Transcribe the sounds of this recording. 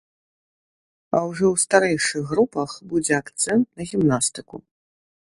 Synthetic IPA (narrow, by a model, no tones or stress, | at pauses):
awʐɔwst̪aɾɛjʂɨxɣrupɐxbud͡zʲɛakt̪sɛnt̪nɐɣʲimnast̪ɨkṵ